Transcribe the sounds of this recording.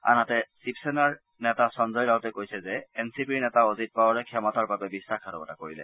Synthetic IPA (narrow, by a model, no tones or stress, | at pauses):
a̰natɛsipsɛnaɹ | nɛtasɔnzɔjlaɦɔtɛkojsɛzɛɛnsipiɹnɛtaozit̚paɔɹɛkʰɔmɔtaɹbabɛbisːakʰaɾɔbɔtakoɹilɛ̰